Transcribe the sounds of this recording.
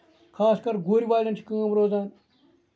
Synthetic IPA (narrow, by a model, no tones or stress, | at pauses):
kʰaːskɐɾɡoːɾiʋaːjlɐnt͡ʃʰi̥kɐ̃ŋɐmɾoːzaːn